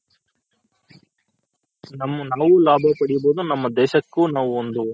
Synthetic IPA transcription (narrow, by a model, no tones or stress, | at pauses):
nɐmːunaːʋulaːbʱɐpɐɽijboːd̪unɐmːɐd̪ɛːʃɐkːuːnaːʋuond̪u